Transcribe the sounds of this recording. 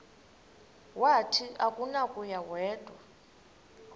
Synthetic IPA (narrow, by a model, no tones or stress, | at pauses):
watʰiakʼunakʼujawɛːd̥ʼʱwa